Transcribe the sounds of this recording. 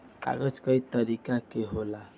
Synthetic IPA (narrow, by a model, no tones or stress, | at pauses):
ka̰ɡɔd͡ʒkɔit̪ɔɾikakeɦola